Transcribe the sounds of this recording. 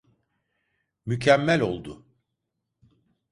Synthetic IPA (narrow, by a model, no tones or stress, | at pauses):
mycʰæmːælʲo̞̰lˠd̪ʊ